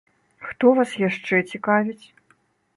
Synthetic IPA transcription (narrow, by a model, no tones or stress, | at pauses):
xt̪ɔvasjaʂt͡ʂɛt͡sʲikavʲit͡sʲ